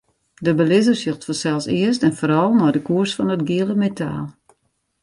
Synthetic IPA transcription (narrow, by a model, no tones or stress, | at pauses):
dəbəlɪzərsjøxtfɔsɛlˠsɪəstɛnfoːɾɔlˠnɔjdəkuərsfɔnətɡiələmetʰa̰ːlˠ